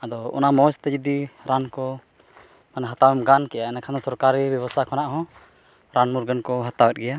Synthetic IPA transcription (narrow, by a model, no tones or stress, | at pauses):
ad̪ɔɔ̰namɔst̪ɛd͡ʒid̪iɾankɔ | manɛɦat̪awɛmɡankɛjaɛnɛkʰand̪ɔsɔɾkaɾibjɔβɔst̪ʰakʰɔnaʔɦɔ̃ | ɾanmuɾɡənkɔɦat̪awɛt̪̚ˀɡɛja